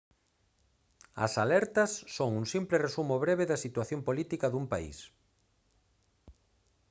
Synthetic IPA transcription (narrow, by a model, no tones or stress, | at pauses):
ɐ̰salɛɾt̪ɐsːoŋuŋsimplɪresumoβɾeβeðɐsit̪waθjompolit̪ikɐðumpaḭs